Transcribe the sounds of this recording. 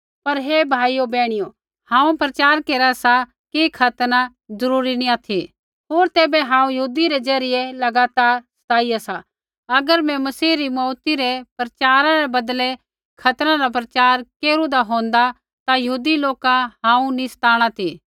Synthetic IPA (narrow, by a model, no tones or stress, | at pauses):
pɐɾɦebʱaːijobɛːɽ̃ɪjo | hãːũpɾɐt͡ʃaːɾkeːɾasa | kikʰɐt̪na | zɐɾuːɾinĩat̪ʰi | ɦoːɾt̪eːbeɦãːũjɐɦuːd̪iɾezɐɾɪjelɐɡaːt̪aːɾsɐ̥t̪aːijasa | ɐɡəɾmɛ̃mɐsiːɾimɔːt̪iɾepɾɐt͡ʃaːɾãɾebɐd̪le | kʰɐt̪ɾãɾap̬ɾɐt͡ʃaːɾkeːɾũd̪aɦõːnd̪a | t̪ajɐɦuːd̪iloːkaɦãːũnisɐ̥t̪ʰaːɽ̃at̪ʰiː